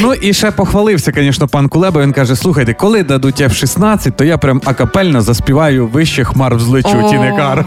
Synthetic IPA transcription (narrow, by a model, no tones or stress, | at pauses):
nuʔiʃɛpɔxʋɐlˠɪwsʲɐkɐnʲiʃnɔpɑnkʊlˠɛbɐʋinkɑʒɛsˠuxɐjt̪ɛkɔlˠɪd̪ɐd̪ʊtʲɛwʃisnɑt͡sʲːɐtʲt̪ɔjapɾʲamɐkɐpɛlʲnɔzɐspʲiʋɑjʊʋɪʃt͡ʃɪxmɑrwzlˠɪt͡ʃutʲinɪkɑr